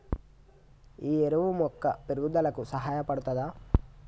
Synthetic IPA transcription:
iːeɾɐʋumɔkːɐpeɾɡud̪ɐlɐkusɐɦaːjɐpɐɽut̪ɐd̪aː

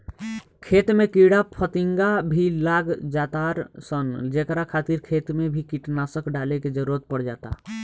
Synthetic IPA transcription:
kʰet̪mekiɽapʰət̪iŋɡabʱilaɡd͡ʒat̪aɾsənd͡ʒekɾakʰat̪iɾkʰet̪mebʱikiʈnasəkɖaleked͡ʒəɾuɾət̪̚pəɽd͡ʒa̰t̪a̰

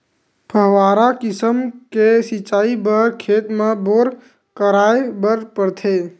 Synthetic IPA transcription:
pʰəɦʋaːɾakɪsəmkesit͡ʃaːibəɾkʰeːt̪meboːɾ | kəɾaːebəɾpəɾt̪ʰe

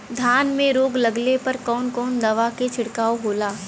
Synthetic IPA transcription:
d̪ʱjaːnmẽɾoːɡlɐɡlepɐɾkɔːnkɔːnd̪ɐʋaket͡ʃʰɪɽkaːoɦoːlaː

